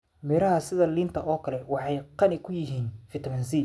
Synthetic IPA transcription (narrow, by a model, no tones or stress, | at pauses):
mɛɾɐɦɐsɪðɐliːnt̪ʰɐʔɔːkʰɐlɛwɑħɑjqɑnɪkʰːʊjɪɦiːnfɪt̪ʰɐmɐnsiː